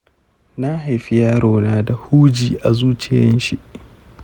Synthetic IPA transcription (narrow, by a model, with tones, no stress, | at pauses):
na˦ha˨jɸɪ˦jaː˦ɾoː˨naː˦da˨huː˦d͡ʒiː˨ʔa˨zuː˦t͡ʃɪ˦˨jɐ̰˦nʃi˦ʔ